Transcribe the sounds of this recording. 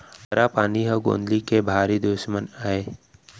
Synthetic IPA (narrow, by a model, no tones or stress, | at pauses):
ɐɾapaːniɦəɡo̰ːnd̪likebʱaːɾid̪ʊʃmənaːeː